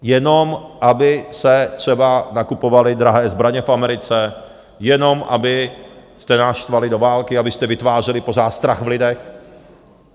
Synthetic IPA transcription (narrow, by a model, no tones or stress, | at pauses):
jɛnomʔabɪsɛt̪r̝̥ɛbanakupovalɪd̪ɾaɦɛːzbɾaɲɛfamɛɾɪt͡sɛ | jɛnomʔa̰bɪ | st̪ɛnaʃt̪valɪdovaːlkɪabɪst̪ɛvɪt̪vaːr̝ɛlɪpozaːt̪st̪ɾaɣvlɪdɛx